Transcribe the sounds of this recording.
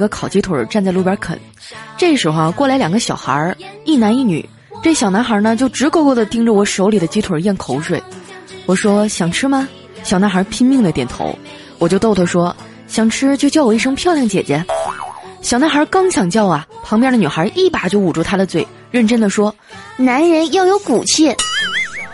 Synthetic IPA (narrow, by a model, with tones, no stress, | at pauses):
ɡə˧kʰɑ˨˩ʊt͡ɕi˥t̪ʰwə̰˨˩˥ʈ͡ʂa˥˧nt͡sa˥˧ɪlu˥˩pjə˧˥kʰə̰˨˩˦n | ʈ͡ʂɤ˥˩ɡəʂɻ̩˧˥xʊ˧a˩kwɔ˥˩la˧˥ɪljɑ˨˩ŋɡə˦ɕjɑ˨˩ʊxə̰˧˥i˥˩na˧˥ni˥˩ny̰˨˩˦ | ʈ͡ʂɤ˥˩ɡə˩ɕjɑ˨˩ʊna˧˥nxə˧˥nə˧t͡ɕjo˥˩ʊʈ͡ʂɻ̩˧˥ko˥˧kwɔ˥˩d̪ə˩t̪i˥ŋʈ͡ʂə˨wɔ˨˩ʂo˧˥ʊli˨˩d̪ə˦t͡ɕi˥t̪ʰwə˨˩jɛ˥˩nkʰo˧˥ʊʂwe˨˩ɪwɔ˨˩ʂwɔ˥ɕjɑ˨˩ŋʈ͡ʂʰɻ̩˥mɐ˨ | ɕjɑ˨˩ʊna˧˥nxə˞˧˥pʰi˥nmi˥˩ŋd̪ə˩t̪jɛ˨˩nt̪ʰo̰˧˥ʊ | wɔ˨˩t͡ɕjo˥˧ʊt̪o˥˧ʊt̪ʰə˧˩ʂwɔ˥ | ɕjɑ˨˩ŋʈ͡ʂʰɻ̩˥t͡ɕjo˥˧ʊt͡ɕjɑ˥˩ʊwɔ˩i˥˩ʂ̬ɤ˥ŋpʰjɑ˥˧ljɑ˥˩ŋt͡ɕjɛ̰˨˩t͡ɕjɛ˧˥ | ɕjɑ˨˩ʊna˧˥nxə˞˧˥kɑ˥ŋɕjɑ˨˩ŋt͡ɕjɑ˥˩ʊɐ˩pʰɑ˧˥ŋpjɛ˥˩d̪ə˩ny˨˩xə˧˥ʔi˥˩pa˨˩t͡ɕjo˥˩ʊu˨˩ʈ͡ʂu˥˩t̪ʰa˥d̪ə˨t͡swe˥˩ɪ | ɻə˥˩nʈ͡ʂə˥nd̪ə˨ʂwɔ˥ | na˧˥nɻə˧˥njɑ˥˩ʊjo˧˥ʊku˨˩t͡ɕʰi˥˩